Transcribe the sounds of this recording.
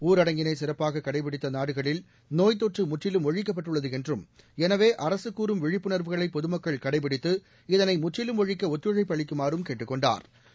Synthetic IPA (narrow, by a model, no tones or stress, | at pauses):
uːɾɐɽɐŋɡɪnɐɪsɪrɐpːaːɣɐkːɐɽɐɪp̬ɪɽɪt̪ːɐnaːɽɯɣɐɭɪl | noːjt̪̬oːʈrɯmʊʈrɪlɯmɔɻɪk̬ːɐpːɐʈːɯɭːɐðɯɛndrɯm | ɛnɐʋeːʔɐɾɐsɯkːuːɾɯmʋɪɻɪpːɯɳɐɾʋɯɣɐɭɐɪpːɔðɯmɐkːɐɭkɐɽɐɪp̬ːɪɽɪt̪ːɯ | ɪðɐnɐɪmʊʈrɪlɯmɔɻɪkːɐɔt̪ːɯɻɐɪpːɐɭɪkːɯmaːɾɯmkeːʈːɯkːɔɳɖa̰ːɾ